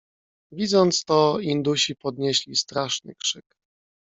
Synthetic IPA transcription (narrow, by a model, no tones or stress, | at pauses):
vʲid̪zɔnt̪st̪ɔind̪uɕipɔd̪ɲeɕlʲist̪ɾaʂnɘ̰kʂɘk